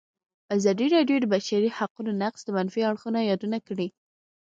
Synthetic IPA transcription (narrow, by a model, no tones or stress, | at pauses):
azɑd̪iɾɑɖjod̪əbaʃaɾihaqunonaqsd̪əmanfiaɽxunajɑd̪unakɽi